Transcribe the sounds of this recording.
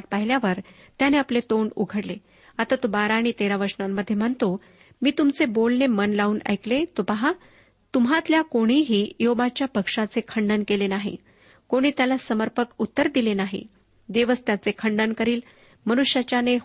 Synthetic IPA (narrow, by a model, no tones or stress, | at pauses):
ʈ̚pəɦiljaʋəɾ | t̪janeaplet̪oɳṵɡʱəɽle | at̪at̪obaɾaːɽ̃it̪eɾaʋəɾʂnamːəd̪ʱːjem̤əɳt̪o | miːt̪umt͡sebolnemənlauːnə̰jklet̪opaɦa | t̪umɦat̪ljakoɽ̃iːɦiːjobat͡ɕjapəkʂat͡sekʰəɳɖənkelenaɦḭ | koɽ̃iːt̪jalasəməɾpəkut̪ːəɾd̪ilenaɦḭ | d̪eʋəst̪jat͡sekʰəɳɖənkəɾiːl | mənuʂjat͡ɕjane